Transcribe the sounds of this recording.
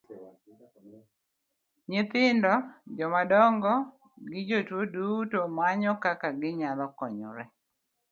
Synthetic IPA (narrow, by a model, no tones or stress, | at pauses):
ɲɪt̪ɪndɔd͡ʒɔmadɔŋɡɔ | ɡɪd͡ʒotwodutomaɲɔkakaɡɪɲalɔkɔɲɔ̰ɾɛ